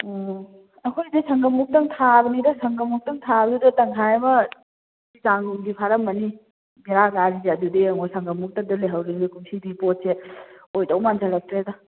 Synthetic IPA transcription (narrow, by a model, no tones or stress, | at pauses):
ɐkʰojdesɐŋɡɐmuk̚tɐŋt̪ʰabɐnidɐsɐŋɡɐmuk̚tɐŋtʰabɐdudɐtɐŋkʰajebɐ | izaŋɡumɡipʰaɾɐmːɐni | biɾaɡaɾid͡ʒadudeɐŋɔjsɐŋɡɐmuk̚tɐdɐleɦawɾiɡikumsidipot̚seojtɐwmanzɐlɐk̚tɾedɐ